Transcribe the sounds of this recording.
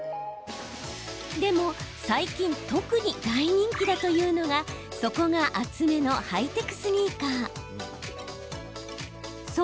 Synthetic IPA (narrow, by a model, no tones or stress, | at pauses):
d̪e̞mo̞saikʲĩnt̪o̞kɯ̟ɲ̟iɡ̪aiɲ̟ĩŋkʲid̪at̪o̞jɯ̟ːno̞ɡaso̞ko̞ɡaʔat͡sɨme̞no̞hait̪e̞kɯ̟̥sɨnʲiːkaː